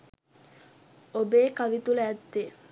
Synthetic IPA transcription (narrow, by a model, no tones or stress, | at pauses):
obeːkaʋit̪uləːt̪ːe